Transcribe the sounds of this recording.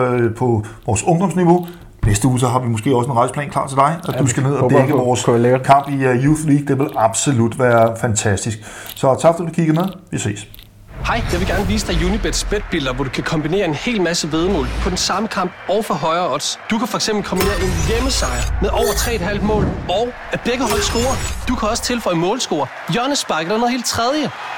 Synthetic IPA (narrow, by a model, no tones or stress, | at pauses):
pʰɒ̽ʋɒːsɔ̽ŋd̥ɒ̽msniʋo̝ | nesd̥əuːsɒɦɑ̈ʋimosɡ̥e̝̰ːɒ̽səe̝nʁɑ̈ɪsəpʰlɛ̰ːnkʰlɑ̰̈ːt͡sʰe̝ld̥ɑ̈ɪæd̥usɡ̥æne̝ð̞̰ˠɒ̥ɡ̥əɒːseɡkʰɑ̈m̰b̥ijuːθliːɡ̥̚d̥e̝ʋe̝lɑ̈b̥so̝lud̥ʋæːɐfænt͡sʰæsd̥isɡ̥sɒ̽t͡sʰɑ̈ɡ̥fɒ̥d̥duduukʰiɡ̥ɐmeðˠʋise̝̰ːs | hɑ̈ɪjɑʋeɡ̥æɐnəʋiːsəd̥ɑ̈ɪjuːnib̥ed̥sb̥ed̥̚b̥il̰d̥ɐʋɒd̥ukʰækʰɒ̽mb̥ine̝̰ɐe̝nhe̝̰ːlmæsəʋe̝ð̞ˠmɔ̰̽ːlpʰɒ̽d̥ensɑ̈məkʰɑ̈m̰b̥̚ɒʊfɒɦɒ̽ɪɐɒ̽d̥sd̥ukʰæfɒ̽eɡ̥semb̥l̩kʰɒ̽mbine̝̰ːɐe̝njeməsɑ̈ɪɐmeðˠʔɒʊ̰ɐt͡sʰʁɛ̰ːed̥hɦæl̰d̥̚mɔ̰̽ːlɒʊ | æb̥eɡ̥əɦɒ̽ɪ̰̥sɡ̥o̝̰ːɐd̥ukʰæɒ̽sə̥t͡sʰe̝lfɒ̽ɪmɔ̽ːlsɡ̥o̝̰ːɐ | jɶɐnəsb̥ɑ̈ɪɡədɑno̽ðˠhe̝̰ld̚t͡sʰʁɛð̞ˠjə